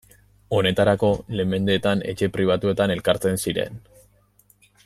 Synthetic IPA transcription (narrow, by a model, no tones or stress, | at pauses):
o̞ne̞t̪aɾako̞le̞me̞nd̪e̞ːt̪ane̞̰t͡ʃe̞pɾiβ̞at̪ue̞t̪ane̞lkaɾt͡se̞nsiɾe̞̰n